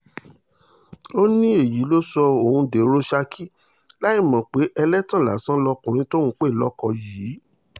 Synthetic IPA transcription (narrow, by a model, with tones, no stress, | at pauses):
o˦nĩ˦e˦˨ji˨˦lo˦sɔ˧o˨hũ˧de˨˦ɾo˦ʃa˧kʰi˦ | la˦i˦˨mã˨k͡pe˨˦ʔɛ˧lɛ˦tã˦˨la˨sã˦lɔ˧kũ˨ɾ̃ĩ˦to˦nũ˦k͡pe˦˨lɔ˦kɔ˧jiː˨˦